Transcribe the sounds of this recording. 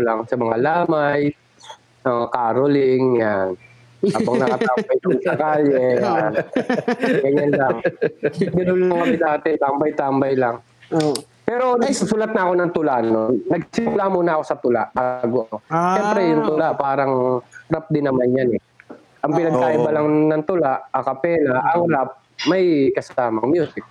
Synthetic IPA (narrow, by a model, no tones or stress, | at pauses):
laŋsɐmɐŋalaːmaj | ɐakaːɾolɪŋjan | aːbaŋnɐkkɐt̪abɐjʊŋsɐkalɛa | ɡɐɲanlaŋ | ɡ̪ɪnʊlaɐŋkɐbɪt̪̚ʔaːt̪ɪnt̪ambɐjt̪aːmbɐjlɐŋ | pɛɾo̞nassuːlat̪̚nɐɐko̞nɐŋt̪ʊlaʔnonɐɡsɪmʊlamunɐʔɐko̞sɐt̪ʊla̰ʔaɡoʔɐkoʃɛmpɾɛjʊŋt̪ʊlaʔpaːɾɐŋɾap̚d̪ɪnːɐmanjanɛ | ʔɐŋpɪnɐɡkaːʔɪbɐlaŋnɐŋt̪ʊlaʔɐkɐpɛːlaʔɐŋɾap̚ | mɐjkɐsaːmɐŋmjuːsɪk̚